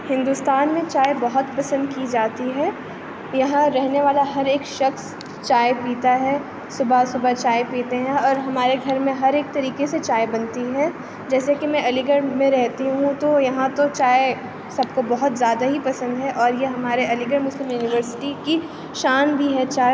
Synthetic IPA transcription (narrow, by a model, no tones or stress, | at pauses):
hɪ̃nd̪ʊst̪aːnmẽt͡ʃaːebɐɦʊt̪pɐsə̃nd̪kid͡ʒaːt̪iɦɛː | jɐɦãɾɛɦneʋaːlaɦɐɾeːkʃɐxs | t͡ʃaːepiːt̪aɦɛː | sʊbʱasʊbʱat͡ʃaːepiːt̪eɦɛ̃ɔːɾɦɐmaːɾeɡʱɐɾmẽɦɐɾeːk̚t̪ɐɾiːkeset͡ʃaːjbɐnt̪iɦɛː | d͡ʒɛːsekimɛ̃ɐliɡəɽmẽɾɛɦt̪iɦũt̪ojɐɦãt̪ot͡ʃaːe | sɐbkobɐɦʊt̪zjaːd̪aɦipɐsə̃nd̪ɦɛʔɔːɾjeɦɐmaːɾeɐlɪɡəɽmʊslɪmjuːnɪʋəɾsɪ̥ʈiki | ʃaːnbʱiɦɛt͡ʃaː